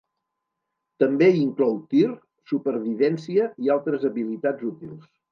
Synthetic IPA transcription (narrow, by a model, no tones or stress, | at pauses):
t̪əmbeiŋklɔwt̪ir | supəɾβiβɛnsiəialˠt̪ɾəzəβilit̪ad͡zut̪ilˠs